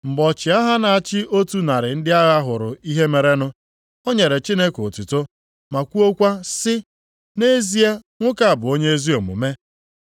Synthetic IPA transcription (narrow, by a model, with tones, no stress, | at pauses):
m̩˨bɔ˨t͡ʃɪ˨a˦ɦa˦na˨a˨t͡ʃɪ˦ʔo˦tu˦na˨ɾɪ˨n̩˦dɪ˦a˦ɣa˦ɦʊ˨ɾʊ˨i˦ɦe˦me˨ɾe˦nʊ˦ | o˦ɲe˨ɾe˨t͡ʃi˦ne˦ko˨tu˨to˦ | ma˨kʷu˦o˦kʷa˦sɪ˦ | ne˦zi˦a˦ | ŋʷʊ˦ka˨a˨bʊ˨o˦ɲe˦e˦zi˦o˨mʊ̰˨me˦